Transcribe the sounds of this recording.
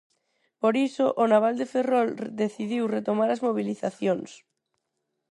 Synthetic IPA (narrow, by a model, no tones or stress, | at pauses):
poɾisoʔːnaβ̞ald̪eferɔld̪eθiðiwret̪omaɾazmoβ̞iliθaθjoŋs